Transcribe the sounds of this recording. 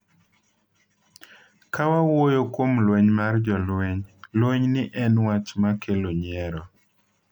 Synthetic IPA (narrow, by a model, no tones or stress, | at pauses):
kawawojokwomlwɛɲmard͡ʒɔlwɛɲlweɲnɪʔɛnwat͡ʃmakʰeloɲɛɾɔ